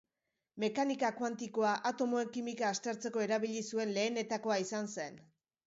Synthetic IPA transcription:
me̞kanikakwant̪iko̞aʔat̪o̞mo̞e̞ŋkimikaːst̪e̞ɾt͡se̞ko̞e̞ɾaβ̞iʎisue̞nle̞ːne̞t̪ako̞aisanse̞n

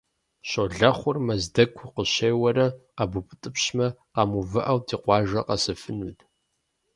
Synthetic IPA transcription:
ɕoɮɐχʷʊrmɐzdɐkʷʰʊqəɕeːjwɐɾɐabupʰʼɨtʼɨpɕmɐqɑmuvɨʔɐwtʰiːqʷɑːʒɐqɐsɨfɨnutʰʼ

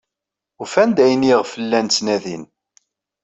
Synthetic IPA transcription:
ʊfænd̪æjniʁfəlːænt͡sːnæðḭn

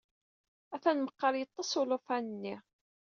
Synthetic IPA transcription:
æθænməqːɑɾjət̪ˤːɑsˤʊlʊfænənːi

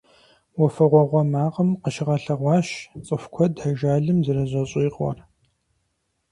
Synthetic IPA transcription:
wɔfɐʁʷɔʁʷɔmaːʁəmqəʃɪʁɐɬɐʁʷɑːɕt͡sʼɨfkʷʰɔdɐʒaːɮɨmzɨrɐʑʷʼɐɕʼiːqʼwɔ̰r

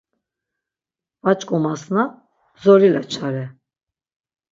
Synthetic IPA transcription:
vat͡ʃʼkʼɔmasna | zɔɾilat͡ʃʰaɾɛ

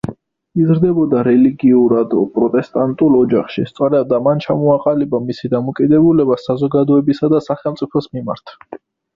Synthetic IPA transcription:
izɾd̪ɛbɔd̪aɾɛliɡiuɾad̪ɔpʼɾɔt̪ʼɛst̪ʼant̪ʼulˠɔd͡ʒaχʃist̪sʼɔɾɛbd̪amant͡ʃʰamɔaqʼalibamisid̪amɔkʼid̪ɛbulɛbasazɔɡad̪ɔɛbisad̪asaχɛlˠmt̪sʼipʰɔsmima̰ɾt̪ʰ

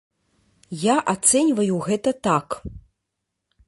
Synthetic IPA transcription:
jaʔat̪sɛnʲvɐjuɣɛt̪ɐt̪ak

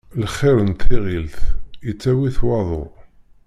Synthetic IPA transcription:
lχːɪɾənt̪ʰiʁilθit͡sːæwiθwɑðˤo̰

